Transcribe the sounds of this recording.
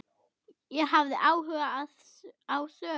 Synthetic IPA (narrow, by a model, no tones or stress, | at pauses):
jɛɦavðɪʔaːwɦœːaað̥ | aːwsœː